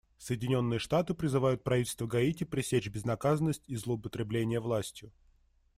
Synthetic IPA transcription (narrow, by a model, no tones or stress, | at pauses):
səjɪdʲɪnʲo̞nːɨjəʂt̪at̪ɨpɾʲɪzɨvajʊt̪̚pɾɐvʲitʲɪlʲst̪vəɡɐitʲɪpɾʲɪsʲet͡ɕbʲɪznɐkazənːəsʲtʲizlˠəʊpət̪ɾʲɪblʲenʲɪjəvlˠasʲtʲjʊ